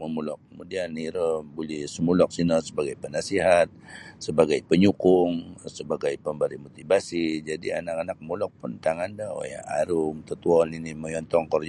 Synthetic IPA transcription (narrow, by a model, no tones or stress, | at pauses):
məmulɔkːəmudianiɾəmbulɛhsəmulɔk̚sinəsəbaɡajpənasiɦat̪̚səbaɡajpəɲukʊŋsəbaɡajpəmbaɾimot̪ibasid͡ʒadianakanak̚mulɔk̚pʊnt̪aŋandao̰ja̰a̰ɾʊmt̪ət̪uɔniniməjɔnt̪ɔŋkɔrd͡ʒ